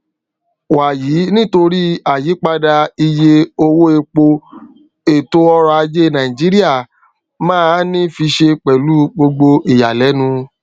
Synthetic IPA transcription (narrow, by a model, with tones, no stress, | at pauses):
wa˨jiː˨˦nĩ˦to˧ɾi˦a˨ji˨˦k͡pa˧da˧i˧je˧o˧wo˦e˧k͡po˧ | e˨to˦ɔ˧ɾɔ˧a˧d͡ʒe˦nã˨ĩ˨d͡ʒi˨˦ɾi˦a˦˨ | mãː˦˧˦nĩ˦fi˧ʃe˧k͡pɛ˨lu˦ɡ͡bo˧ɡ͡bo˧ʔi˨ja˨lɛ˨˦nũ˧